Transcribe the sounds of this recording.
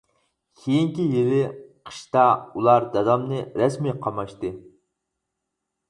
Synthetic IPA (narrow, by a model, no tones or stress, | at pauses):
kʲʰejiŋkʲijelɪqʰɨ̥ʃt̪ɑulˠɑɾd̪ɑd̪ɑmnɨɾɛsmiqʰɑmɑʃt̪ɨ